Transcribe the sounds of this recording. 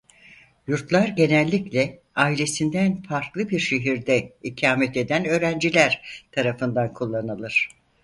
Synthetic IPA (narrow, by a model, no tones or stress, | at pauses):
juɾt̪lˠaɾɟe̞nælʲːiclʲɛ | aːilʲe̞sind̪ænfaɾklˠɯbiɾʃe̞ɦiɾd̪ɛhicʰaːmɛt̪e̞d̪ænø̞ːɾænd͡ʒilʲæɾ̥t̪ʰaɾafɯnd̪ankʰulˠːanɯlˠɯɾ̥